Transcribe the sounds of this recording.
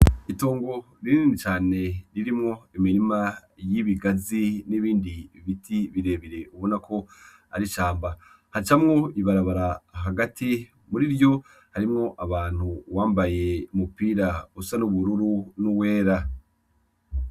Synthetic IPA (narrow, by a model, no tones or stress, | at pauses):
ito̞ːŋɡo̞ | ɾininit͡ʃaːne̞ɾiɾimŋo̞iminimajiβiɡaziniβiːndiβitʰiβiɾe̞ːβiɾe̞uβo̞nakʰo̞ | aɾiʃaːmba | hat͡ʃamŋo̞iβaɾaβaɾaɦaɡati | muɾiɾjo̞ | haɾimŋo̞ʔaβaːn̥huwaːmbaje̞umupiːɾausanuβuɾuɾunuwe̞ːɾa